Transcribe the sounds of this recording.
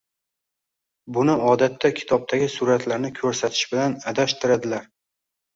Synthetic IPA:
bʊnɪʔɒd̪at̪ʰːakʲʰɪ̥t̪ʰɒb̚t̪ʰaɡʲɪsʊɾat̪ʰlaɾnɪkʲʰɵɾsat̪ʰɪ̥ʃbɪlanad̪aʃt̪ʰɪɾad̪ɪlaɾ

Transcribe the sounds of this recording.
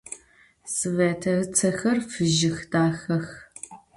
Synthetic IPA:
sɨvɐːtʰɐt͡sʰɐxɐrfɨʒɪxdaːxɐx

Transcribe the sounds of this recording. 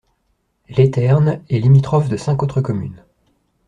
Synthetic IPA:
let̪ɛʁnɛlimit̪χɔfd̪əsɛ̃kot̪χəkɔmy̰n

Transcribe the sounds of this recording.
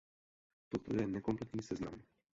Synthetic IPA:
t̪ɔt̪ɾṵd̪ɛnɛkɔmplɛt̪nʲisɛzna̰m

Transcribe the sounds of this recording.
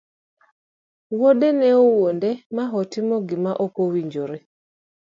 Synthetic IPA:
woɗɛnɛɔwondɛmaɦɔtɪmɔɡɪmaʔokowiɲd͡ʒoɾe

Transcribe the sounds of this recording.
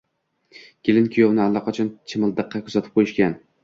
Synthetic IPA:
kʲɪlɪnkʲʰijownɪalːɑqʰɒt͡ʃʰɒnt͡ʃʰɪmɪlˠd̪ɨqʰːɑkʲʰʊ̥zat̪ʰɪ̥p̚qʰojɪʃkʲan

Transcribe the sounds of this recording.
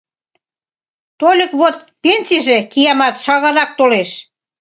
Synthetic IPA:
t̪olʲə̆kβot̪̚penʲsiʒekijɑmɑt̪ʃɑɣɑɾɑk̚t̪oleʃ

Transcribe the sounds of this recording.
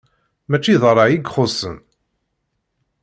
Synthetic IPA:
mæt͡ʃːiðˤəɾˤɑʕjiɡχosə̰n

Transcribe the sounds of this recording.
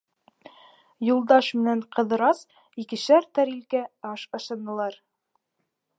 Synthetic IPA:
julˠd̪ɑʃmɘ̆næɴqɤ̆ðɤ̆ɾɑs | ikɘ̆ʃæɾt̪æɾilkæɑʃɤ̆ʃɤ̆nɤ̆lˠɑɾ

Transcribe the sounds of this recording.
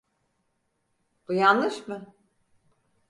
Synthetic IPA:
b̥ujanlˠɯʃmɯ

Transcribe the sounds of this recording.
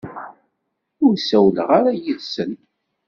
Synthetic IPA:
ʊɾsæwləʁaɾæjəðsən

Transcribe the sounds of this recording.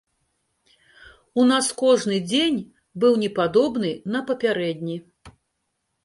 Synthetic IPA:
unaskɔʐnɨd͡zʲenʲ | bɨwnʲɛpad̪ɔbnɨnɐpɐpʲaɾɛd̪ʲnʲi

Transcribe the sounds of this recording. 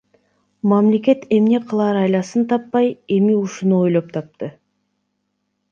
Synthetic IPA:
mæmle̞kʲe̞t̪e̞mne̞qʰəlˠɑɾɑjlˠɑsənt̪ʰɑpːɑje̞miʊʃʊnuo̞jlˠop̚t̪ʰɑp̚t̪ə

